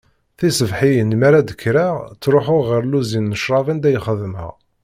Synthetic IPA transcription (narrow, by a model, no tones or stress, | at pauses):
θisəvħijənmæɾæd̪əkːɾat͡sːɾˤʊħʊʁʁəɾluzinːəʃɾˤɑvind̪æjχəðəmhə̰ʁ